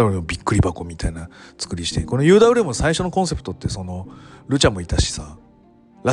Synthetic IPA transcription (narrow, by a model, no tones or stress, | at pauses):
aɯ̟ɾemobʲikːɯ̟ɾʲibako̞mʲit̪ainat͡sɨ̥kɯ̟ɾʲiɕi̥t̪e̞ko̞nojɯ̟ːd̪aɯ̟ɾemɯsaiɕo̞no̞kõse̞pɯ̥t̪o̞t̪ːe̞so̞no̞ɾɯ̟t͡ɕamːo̞it̪aɕi̥sa | ɾa